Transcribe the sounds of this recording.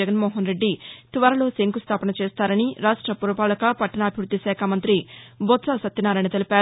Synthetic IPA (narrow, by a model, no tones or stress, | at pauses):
ɛɡɐnmɔːɦɐnɾe̞ɖːit̪ʋɐːɾɐlo̞ːseŋkust̪ʰaːpɐnɐt͡ʃeːst̪aːɾɐniɾaːʂʈɾɐpuːɾɐpaːlɐkɐpɐʈːɐnɐːbʱiʋɾud̪ʱːiʃɛːkʰamɐnt̪ɾibot̪sasɐt̪ːɐnaːɾɐjnɐt̪elipaː